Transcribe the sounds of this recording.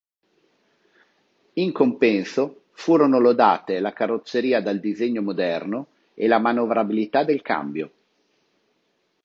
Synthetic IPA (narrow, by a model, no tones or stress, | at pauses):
iŋkompɛnso | fuːɾonolod̪a̰ːt̪elakarːot̪sːeɾiːad̪ald̪izeɲːomod̪ɛrno | elamanovɾabilit̪ad̪ːelka̰mbjo